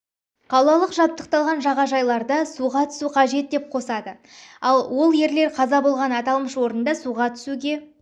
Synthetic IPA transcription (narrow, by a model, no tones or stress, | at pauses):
qʰɑlˠɑlˠəqʒɑp̚t̪əq̚t̪ɑlˠʁɑnʒɑʁɑʒɑjlˠɑɾd̪əsuʁɑt̪ʰʏ̥suqʰɑʒe̞t̪̚d̪e̞p̚qʰo̞sɑd̪ə | ɑlˠwo̞lˠje̞ɾle̞ɾqʰɑzɑbo̞lˠʁɑnɑt̪ɑlˠməʃwo̞ɾənd̪ɑsuʁɑt̪ʰʏ̥suɡʲe̞